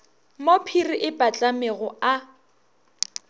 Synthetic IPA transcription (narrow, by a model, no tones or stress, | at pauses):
mopʰiriʔɪpat͡ɬʼameɣʊa